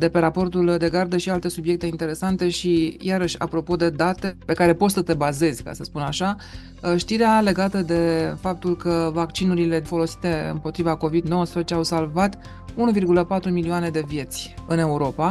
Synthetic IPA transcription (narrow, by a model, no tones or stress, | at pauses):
d̪e̞pe̞ɾapo̞rt̪uld̪e̞ɡard̪əʃialt̪e̞subje̞k̚t̪e̞int̪e̞ɾe̞sant̪e̞ʃijʔaɾəʃʲa̰pɾo̞po̞d̪e̞d̪at̪e̞pe̞kaɾe̞po̞t̪ʲsət̪e̞baze̞zʲka̰səspunaʃa | ʃt̪iɾeale̞ɡat̪əd̪e̞fap̚t̪ulkəvakt͡ʃinuɾile̞fo̞lo̞si̥t̪e̞ɨ̰mpo̞t̪ɾivako̞vid̪no̞wəspɾezet͡ʃe̞awsalvat̪ | unuvirɡuləpat̪ɾumilioane̞d̪e̞vje̞t̪sʲɨne̞uɾo̞pa